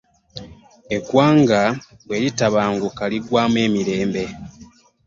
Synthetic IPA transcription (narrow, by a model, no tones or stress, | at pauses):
ekwaːŋɡa | weɾitaβaːŋɡukaliɡwaːmwe̞ːmiɾe̞ːmbe̞